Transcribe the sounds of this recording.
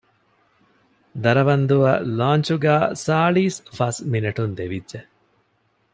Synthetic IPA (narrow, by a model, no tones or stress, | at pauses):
d̪ɐɾɐʋɐnd̪uʋɐ̰laːnt͡ʃuɡæːsaːɭiːsfɐsminɐʈund̪eʋidʒe